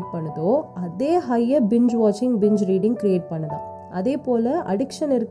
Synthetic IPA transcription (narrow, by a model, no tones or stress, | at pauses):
ʈ̚pɐɳːɐðoːɐðeːɦɐjːɐbɪɲd͡ʒʋaːt͡ʃɪŋɡbɪɲd͡ʒɾiːɽɪŋɡkɪɾieːʈ̚pɐɳːɐðã̰ː | ʔɐðeːpoːlɐʔɐ̰ɽɪkʂɐnɪɾɯkː